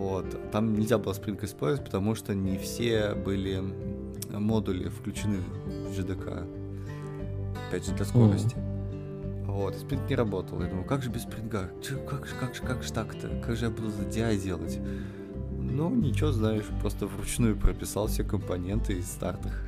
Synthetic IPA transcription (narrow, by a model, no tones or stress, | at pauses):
vo̞t̪t̪ːamnʲɪlʲzʲabɨlˠəspʲɾʲinkəɪspo̞lʲzvət̚ʲpə̥t̪ɐmuʂt̪onʲɪfsʲebɨlʲɪ | mo̞d̪ʊlʲɪ̰fklʲʉt͡ɕɪnɨ | vʐɨd̪ɨkʰa̰ | ɐpʲædʲʐɨd̪lʲɐsko̞ɾə̰sʲtʲɪ̥ | vo̞t̪spʲɾʲink̚nʲɪɾɐbo̞t̪əlˠjad̪uməlˠkaɡʐɨbʲɪspʲɾʲɪnɡat͡ɕokakʐɨkaɡʐɨkaɡʐɨ̥t̪akə̥t̪ə̰kaɡʐɨjabɨd̪ʊzədʲɪajdʲe̞lˠətʲ | nunʲɪt͡ɕɪvoznaɪʂpɾo̞st̪əvrʊt͡ɕnujʊpɾəpʲɪsalˠfsʲekəmpɐnʲe̞nt̪ʰɨɪst̪art̪əx